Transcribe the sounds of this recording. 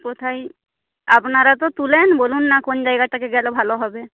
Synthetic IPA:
pot̪ʰai | apnaɾat̪ot̪ulenbolunːakond͡ʒajɡaʈakeɡɛlobʱaloɦɔbe

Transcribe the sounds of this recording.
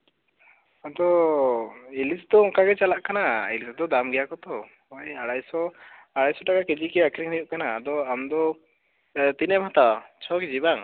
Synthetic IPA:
ad̪ɔ | ilisd̪ɔɔŋkaɡɛt͡ʃalaʔkanailisd̪ɔd̪amɡɛjakɔt̪ɔ | ɔjaɽajsɔ | aɽajsɔʈakaked͡ʒikɛakʰɾiŋnijuʔkanaːd̪ɔamd̪ɔ | t̪inɛmat̪at͡ʃʰɔkid͡ʒibaŋ

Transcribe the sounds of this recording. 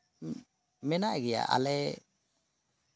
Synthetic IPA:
mɛnaʔɡɛja̰ʔa̰lɛ

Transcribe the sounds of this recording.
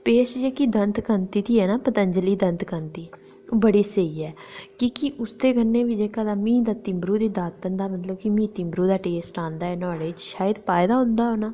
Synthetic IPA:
peːʃd͡ʒeːkid̪ənt̪kənt̪iːt̪iːɛːnaːpət̪əɲd͡ʒəliːd̪ənt̪kənt̪iː | bəɽiːsəiːɛːkiːkɪʔʊst̪eːɡənːeːʋiːd͡ʒeːkaːd̪aːmĩːd̪aːt̪ɪmbɾuːd̪iːd̪aːt̪̚pənd̪aːmət̪ləbkimĩːt̪ɪmbɾuːd̪aːʈeːsʈãːnd̪aːɛːnɔːɽeːt͡ʃʃaːjəd̪paːɪd̪aːɦʊ̃nd̪aːɦoːnaː

